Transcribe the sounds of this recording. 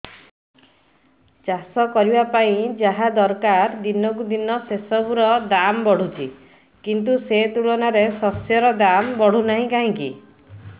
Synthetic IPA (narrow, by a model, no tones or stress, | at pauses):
t͡ʃasɔkɔɾibapaĩd͡ʒaɦad̪ɔɾkaɾd̪inɔk̬ud̪inɔsesɔbuɾɔd̪ambɔɽ̤ut͡ʃʰḭ | kint̪̬uset̪uɭɔnaɾesɔsjɔɾɔd̪ambɔɽ̤unaɦĩkaɦĩkḭ